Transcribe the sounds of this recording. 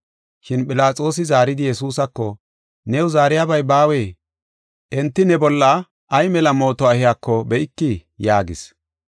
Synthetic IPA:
ʃɪnɓʼɪlaːt͡sʼo̞ːsɪzaːɾɪd̪ɪjɛsuːsɐkːɔ | nɛwʊzaːɾɪjabɐjbaːweː | ʔɛnt̪ːɪnɛbɔlːɐ | ʔːjmɛlɐmo̞ːt̪ɔɐhɪjakːɔbɛʔɪkːɪjaːɡɪ̰s

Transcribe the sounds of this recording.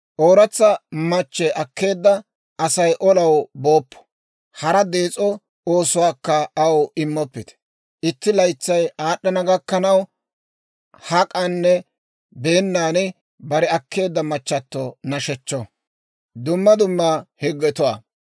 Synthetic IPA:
ʔoːɾɐt͡sːɐmɐt͡ʃːɛʔɐkːe̞ːd̪ːɐ | ɐsɐjʔɔlɐwbo̞ːpːɔ̥ | hɐɾɐd̪e̞ːt͡sʼɔ | oːsʊwaːkːɐɐwɪmːɔpːɪt̪ɛ̥ | ʔɪt̪ːɪlɐjt͡sːɐjaːɗːɐnɐɡɐkːɐnɐw | hɐkʼɐnːɛ | be̞ːnːaːnɪ | bɐɾɛɐkʰːe̞ːd̪ːɐmɐt͡ʃːɐt̪ːɔnɐʃɛt͡ʃːɔ | d̪ʊmːɐd̪ʊmːahɛɡːɛt̪ʊwa

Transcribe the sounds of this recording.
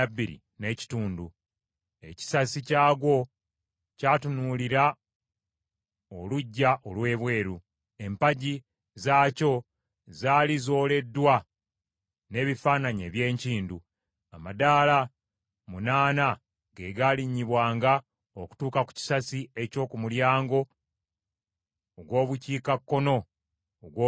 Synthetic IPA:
abːiɾḭ | ne̞ci̥tuːndu | e̞ci̥sasicaːɡo̞ | caːtunuliɾa | oluɟːaʔo̞lwe̞ːβwe̞ːɾu | e̞mpaɟi | zaːco̞ | zaːlizo̞ːle̞dːwa | ne̞ːβifaːnaɲḛːβje̞ːɲciːndu | amadaːla | munaːna | ɡe̞ɡaliɲːiβwaːŋɡa | oku̥tuːkaku̥ci̥sasieco̞ːkumuljaːŋɡo̞ | βwo̞ːβuciːkakːo̞no̞ | ɡwo

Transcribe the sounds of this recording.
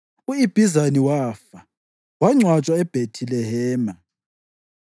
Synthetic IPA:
uib̥ʱizaniwaːfa | waŋ͡ǀwat͡ʃʼwaɛb̥ʱetʰilɛɦɛːma

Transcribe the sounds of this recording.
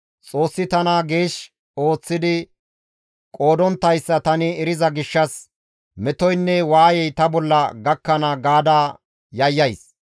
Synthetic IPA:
t͡sʼo̞ːsːɪt̪ɐnɐɡe̞ːʃ | o̞ːt͡sːɪd̪ɪ | kʼo̞ːd̪ɔnt̪ːɐjsːɐt̪ɐnɪɛɾɪzɐɡɪʃːɐs | mɛt̪ɔjnːɛwaːjɛjt̪ɐbɔlːɐɡɐkːɐnɐɡaːd̪aː | jɐjːɐjs

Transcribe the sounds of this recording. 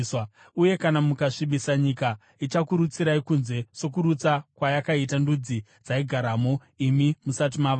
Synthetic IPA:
uje̞kanamukaʂiɓisaɲika | it͡ʃakuɾut͡siɾaikunze̞so̞kuɾut͡sakwajakaitandud͡zi | d͡zaiɡʱaɾamo | imimusat̬imaʋ

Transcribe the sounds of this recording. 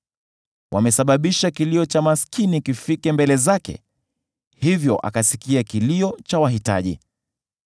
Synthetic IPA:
wʔa̰mɛsaɓaɓiʃakiliɔt͡ʃamaskʰinikifikɛmbɛlɛzakɛ̰ | hivjɔʔa̰kasikiakiliɔt͡ʃawaɦita̰ʄḭ

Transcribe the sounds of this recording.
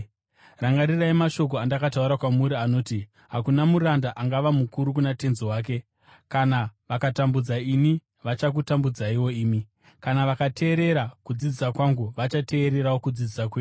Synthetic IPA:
raŋɡaɾiraimaʃo̞k̬oandakatauɾakwamuɾiano̞ːti | ɦakunamuɾandaʔaŋɡaʋamukuɾuk̬unate̞nziwaːk̬e̞ | kanaʋakatambud͡zaini | ʋat͡ʃak̬utambud͡zaiwo̞iːmi | kanaʋakate̞ːɾe̞ɾakud͡zid͡zisakwaŋɡuʋat͡ʃate̞ːɾe̞ɾawokud͡zid͡zisakweːu

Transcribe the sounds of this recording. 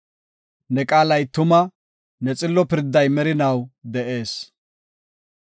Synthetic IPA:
nɛkʼaːlɐjt̪ʊmɐ | nɛt͡sʼɪlːɔpɪɾd̪ːɐjmɛɾɪnɐwd̪ɛʔe̞ːs

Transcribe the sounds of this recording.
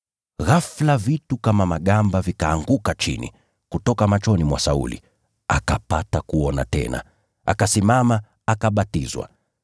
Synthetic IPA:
ɣaflavitukamamaɠambavikaːŋɡukat͡ʃḭnḭ | kutɔkamat͡ʃɔnimwasaṵlḭ | akapatakuɔna̰tɛ̰na̰ | a̰kasimama | akaɓatizwa̰

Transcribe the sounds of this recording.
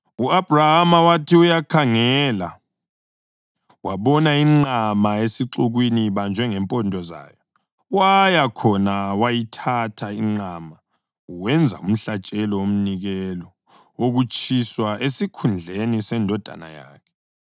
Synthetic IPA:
uab̥ʱrahamawatʰiujakʰaŋɛːla | waβɔnaiŋ͡ǃamaesiǁuɣwiniβand͡ʒʱwɛŋɛmpʼɔndʱɔza̰ːjɔ | wajakʰɔnawajitʰatʰaiŋ͡ǃaːma | uwɛnd͡zʱa̰um̩ɬat͡ʃʼɛlɔom̩niɣɛlɔ | oɣut͡ʃʰʼiswaʔesikʰund͡ɮʱenisɛndʱɔd̥ʱa̰na̰ja̰ːkʰɛ̥

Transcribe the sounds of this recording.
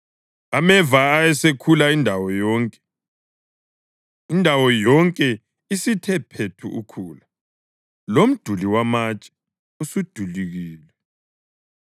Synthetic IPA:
amɛvaːjɛsekʰulaindʱawɔjɔːŋkʼɛ̥ | indʱawɔjɔŋkʼɛ | isitʰɛpʰetʰṵʔukʰuːla | lom̩d̥ʱuliwamat͡ʃʼɛ̥ | usud̥ʱuliɣiːlɛ

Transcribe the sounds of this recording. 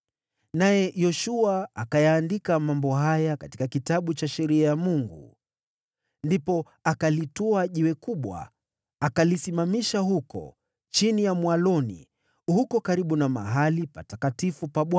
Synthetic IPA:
najɛjɔʃuaakajaːndikamambɔɦajakati̥kakitaɓut͡ʃaʃɛɾiajamuŋɡṵ | ndipɔ | akalitɔaʄiwɛkuɓwa̰ | akalisimamiʃaɦukɔ̰ | t͡ʃinijamwalɔnḭ | hukɔkaɾiɓunama̰ɦalipatakatifupaɓwa

